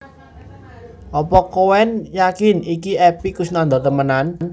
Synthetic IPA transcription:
ʔɔpɔkowɛnjakɪnikiɛpikʊsnand̪ɔt̪əmənann

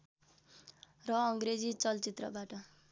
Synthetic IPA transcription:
rʌʌŋɡred͡zit͡sʌlt͡sit̪rʌ̰baʈʌ

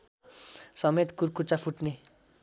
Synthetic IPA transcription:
sʌmet̪kurkut͡sapʰuʈne

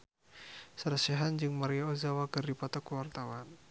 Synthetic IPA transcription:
səɾəseɦand͡ʒɨŋmaɾiaozawakɨrdipɔt̪ɔkuwart̪awan

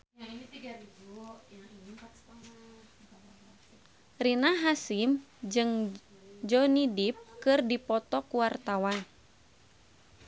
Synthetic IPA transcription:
aiit̪iɡarid͡ʒujaipa | a | rinaɦasimd͡ʒɨŋ | d͡ʒɔnidip̚kɨrdipɔt̪ɔkuwart̪awan

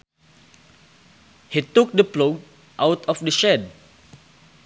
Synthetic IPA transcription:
hituk̚dəploɡ̚ | ʔawtʰɔfdəʃɛd̚

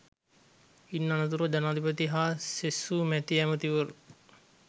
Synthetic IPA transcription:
inːanət̪uɾəd͡ʒanaːd̪ʱipət̪iɦaːsesumɛt̪iæmət̪iʋəɾu

